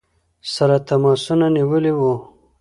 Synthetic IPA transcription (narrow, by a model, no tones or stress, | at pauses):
saɾat̪amɑsunaniwəliwu